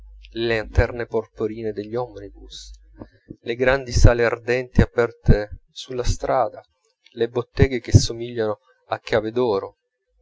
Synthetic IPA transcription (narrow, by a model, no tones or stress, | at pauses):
leant̪ɛrneporpoɾiːned̪eʎːɔmnibus | leɡɾand̪isaːleard̪ɛnt̪iapɛrt̪esulːast̪ɾʔaːd̪a | lebot̪ːɛːɡek̟esːomiʎːano | akːaːved̪ɔːɾo